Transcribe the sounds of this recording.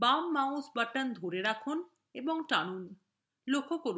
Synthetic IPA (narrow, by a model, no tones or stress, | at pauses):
bamːaõsbaʈand̪ʱoɾeɾakʰon | eboŋʈanun | lokʰːokoɾu